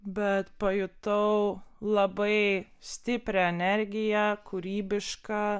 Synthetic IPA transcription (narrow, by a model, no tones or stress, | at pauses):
bʲɛt̪pɐjʊt̪ɐʊlˠɐbɐɪsʲt̪ʲɪpʲɾʲɛɛnʲɛɾʲɡʲɪjɛkuɾʲiːbʲɪʃkɑː